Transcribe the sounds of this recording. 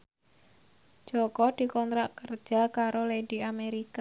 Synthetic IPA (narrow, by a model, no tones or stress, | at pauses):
ʒ̥ɔkɔd̪̥i̤kɔnt̪ɾaʔkər̥ʒ̥a̤kaɾoleɖiameɾika